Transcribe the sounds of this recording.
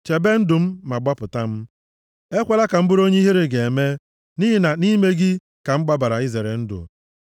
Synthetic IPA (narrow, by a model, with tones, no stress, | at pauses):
t͡ʃe˨be˦n̩˦dʊ˨m̩˦ma˨ɡ͡ba˦pʊ˨ta˦m̩˦ | e˦kʷe˨la˦ka˨m̩˦bʊ˦ɾo˦ɲe˦i˦ɦi˦ɾi˨ɡe˨e˨me˦ | ni˦ɦi˨na˨ni˦me˦ɡɪ˦ | ka˨ŋ͡m̩˦ɡ͡ba˦ba˨ɾa˨i˦ze˨ɾe˨n̩˦dʊ̰˨